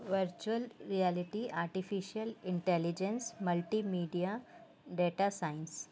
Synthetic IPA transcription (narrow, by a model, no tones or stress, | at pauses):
ʋəɾt͡ʃuəlɾialiʈiaːɾʈifiʃiəlɪɳʈelid͡ʒẽnsməlʈimiːɖija | ɖeːʈasaɪns